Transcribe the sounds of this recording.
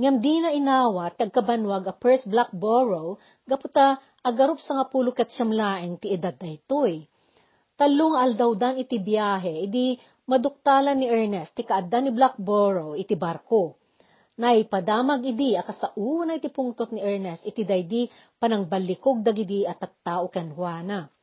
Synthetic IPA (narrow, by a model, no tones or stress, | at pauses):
ŋɐmd̪inɐʔɪnaːwɐt̪ːɪɐɡ̚kɐbɐnwaɡɐpɛɹsblak̚boɹow | ɡɐpʊt̪a | ʔɐɡɐɾop̚sɐŋapuːlʊkɛt̪̚ʃɐmlaːʔɛnt̪ɪɛd̪ad̪̚ːɐjt̪oj | t̪ɐloŋɐʔɐld̪ɐwd̪anɪt̪ibjaːɦɛʔɪd̪i | mɐd̪ʊk̚t̪aːlɐnːɪʔɛɹnɛst̪ɪkɐʔɐd̪anɪblak̚boɹowɪt̪ibaɾko | nɐjpɐd̪aːmɐɡɪd̪iɐkɐsɐʔuːnɐʔɪt̪ipʊŋt̪ot̪̚nɪʔɛɹnɛst̪ɪt̪id̪ɐjd̪i | pɐnɐŋbɐlːɪkoɡ̚d̪ɐɡɪd̪iɐt̪ːɐt̪ːaːʔokɛnhwaːnɐ